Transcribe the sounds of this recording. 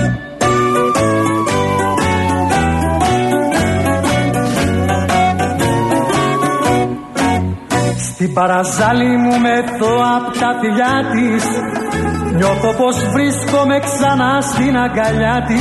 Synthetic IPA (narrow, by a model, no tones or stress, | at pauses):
st̪ibɐɾɐzɐlimume̞t̪oɐpot̪ɐtiʎɐt̪is | ɲoθo̞po̞zvɾisko̞me̞ksɐnɐst̪inɐɡɐʎɐt̪i